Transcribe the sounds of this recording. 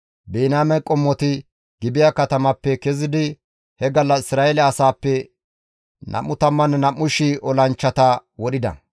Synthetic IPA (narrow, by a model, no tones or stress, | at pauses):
beːnaːmɛkʼɔmːɔt̪ɪ | ɡ̥ɪbɪjaːkɐt̪ɐmɐpːɛkɛzɪd̪ɪ | hɛɡɐlːɐɪsɾaːelɛɐsaːpːɛ | nʔɐ̰mːʊt̪ɐmːɐnnɐmːʊʃɪʔɔlɐnt͡ʃːɐt̪ɐwɔɗɪd̪ɐ̰